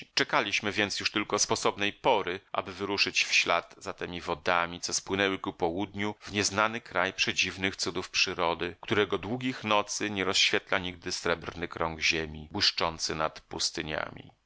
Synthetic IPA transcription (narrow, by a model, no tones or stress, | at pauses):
t͡ʂɛkalʲiɕmɘvʲjɛnt̪sjuʂt̪ɘlkɔspɔsɔbnɛjpɔɾɘʔa̰bɘvɘɾuʂɘt͡ɕfɕla̰d̪zat̪ɛmʲivɔd̪amʲit̪sɔspwɘnɛwɘkupɔwud̪ɲuvɲɛznanɘkɾajpʂɛd͡ʑivnɘxt̪sud̪ufpʂɘɾɔd̪ɘkt̪uɾɛɡɔd̪wuɡʲixnɔt̪sɘɲɛɾɔsɕfʲjɛt̪laɲiɡ̚d̪ɘsɾɛbɾnɘkɾɔŋɡʑemʲibwɘʂt͡ʂɔnt̪sɘnat̪pust̪ɘɲa̰mʲḭ